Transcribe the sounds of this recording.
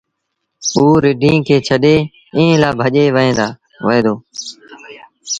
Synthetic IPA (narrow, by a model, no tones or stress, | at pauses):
uːɾɪɖʱĩːkʰeːt͡ʃʰəɗeː | ĩːlaːbʱəʄeːʋəɦẽːd̪aː | ʋəɦeːd̪oː